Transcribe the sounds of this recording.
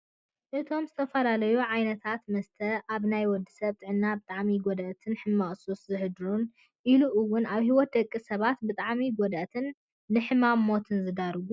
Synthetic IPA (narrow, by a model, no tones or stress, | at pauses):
ʔɨt̪ʰo̞mzɨt̪ʰɐfɐlalɐjuʕajnɐt̪ʰat̪mɐst̪ʰɐʔaβnajwɔd̪ːisɐβt̪ʼɨʕɨnːabɨt̪ʼaʕmiɡod̪ɐʔt̪ʰɨnħɨmːaχʼsuszɨhɨd̪ɾun | ʔiluʔɨwːʊnaβhiwɔt̪̚d̪ɐkʼːisɐβat̪bɨt̪ʼaʕmiɡod̪ʔt̪ʰɨnː | ɨħɨmamːo̞t̪ʰɨnzɨd̪aɾɡu